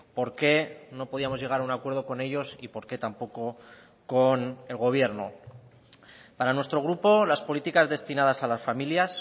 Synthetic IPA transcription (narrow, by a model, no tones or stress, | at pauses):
po̞ɾke̞no̞po̞ð̞iamo̞zʝe̞ɣ̞aɾaunakwe̞ɾð̞o̞ko̞ne̞ʝo̞sipo̞ɾke̞t̪ampo̞ko̞ | ko̞ne̞lɣo̞β̞je̞ɾno̞̰ | paɾanwe̞st̪ɾo̞ɣ̞ɾupo̞laspo̞lit̪ikazðe̞st̪inað̞asalasfamiljas